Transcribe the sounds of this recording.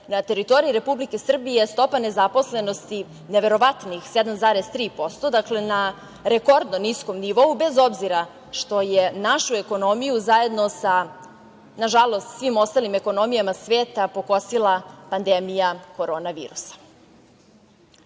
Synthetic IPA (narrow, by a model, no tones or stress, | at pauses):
nat̪e̞ɾit̪o̞ɾiiɾe̞publike̞sr̩bije̞st̪o̞pane̞zapo̞sle̞no̞st̪i | neʋe̞ɾo̞ʋat̪nixsɛd̪amzaːɾest̪ɾiːpo̞st̪o̞d̪akle̞na | ɾeko̞ɾd̪nonisko̞mniʋo̞ube̞zo̞bziɾa | ʃt̪o̞jenaʃue̞ko̞no̞mijuzaje̞d̪nosa | naʒalo̞st̪sʋimo̞st̪aːlime̞ko̞no̞mijamasʋeːt̪apo̞kosilˠapand̪emijako̞ɾo̞ːnaʋḭːɾusḁ